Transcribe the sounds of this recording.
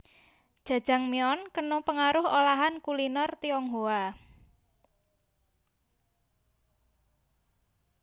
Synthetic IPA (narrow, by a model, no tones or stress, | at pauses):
d̥ʒ̥ä̤d̥ʒ̥a̤ŋmiɔnkənʊpəŋaɾʊɦolaɦankulinɔrt̪iɔŋɦoa